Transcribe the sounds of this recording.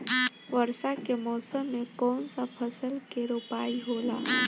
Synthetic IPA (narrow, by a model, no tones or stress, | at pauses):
ʋəɾsakemɔːsəmːẽkɔːnsapʰəsəlkeɾopaːiɦoːlaː